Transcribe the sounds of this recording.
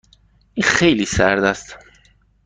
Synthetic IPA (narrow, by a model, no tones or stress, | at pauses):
ʔinxejliːsæɾd̪æst̪